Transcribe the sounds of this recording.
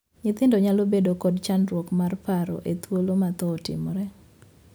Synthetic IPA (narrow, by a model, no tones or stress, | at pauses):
ɲɪt̪ɪndɔɲalobedokɔdt͡ʃanɾwokmarpaɾɔ̰ʔet̪wolomat̪ɔtɪ̰mɔɾɛ